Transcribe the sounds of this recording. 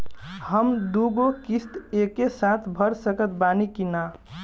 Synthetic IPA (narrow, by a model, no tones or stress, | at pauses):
həmd̪uɡokist̪ekesãt̪ʰbʱəɾsəkət̪banikina